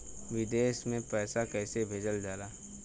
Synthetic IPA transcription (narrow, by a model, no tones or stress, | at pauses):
ʋɪd̪eːʃmẽpɛːsakɛːsebʱeːd͡ʒəld͡ʒaːlaː